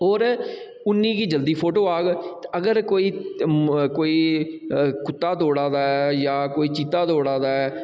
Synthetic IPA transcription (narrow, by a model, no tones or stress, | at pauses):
ɦoːɾ | ʊnːiːkiːd͡ʒəld̪iːpʰoːʈoːaːɡt̪əɡəɾkoːiː | koːiː | kʊt̪ːaːd̪oːɽaːd̪aːɛjaːkoːiːt͡ʃiːt̪ːaːd̪oːɽaːd̪aːɛː